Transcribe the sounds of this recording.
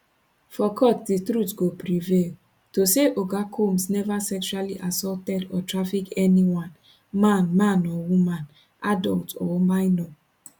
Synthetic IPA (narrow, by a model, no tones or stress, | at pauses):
fɔkʰɔt̚ditɾutɡopɾivel | toseʔoɡakʰomsnɛvasɛkt͡ʃualiʔasɔltɛdɔtɾafikɛniwãn | mãnmãnɔwumãn | adɔltɔ̰ɔmajnɔ̃